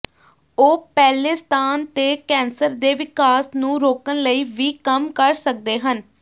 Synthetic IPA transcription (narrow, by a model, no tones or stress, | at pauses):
oːpɛːleːst̪aːnt̪eːkɛ̃ːnsəɾd̪eːʋɪkaːsnũːɾoːkənləiːʋiːkəmkəɾsək̚d̪eːɦən